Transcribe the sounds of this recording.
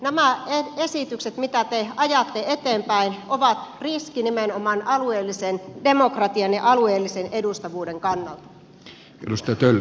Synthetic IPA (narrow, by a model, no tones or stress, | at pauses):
næmæeesit̪ykset̪mit̪æt̪eɑjɑt̪ːeet̪eːmpæinoʋɑt̪riskinimenomɑnɑlueːlːisendemokrɑt̪iɑnjɑʔɑlueːlːisenedust̪ɑʋuːdeŋkɑnːɑlt̪ɑ̥ | ḛdust̪ɑjɑt̪ølː